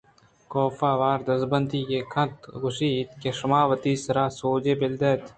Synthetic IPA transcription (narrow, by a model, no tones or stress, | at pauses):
koːfaːʋaːɾd̪ɐzbɐnd̪iːkekʰɐ̃t̪ɡʊʃiːt̪̚keʃʊmaːʋɐt̪iːsɐɾaːsoːd͡ʒeːbɪld̪eːt̪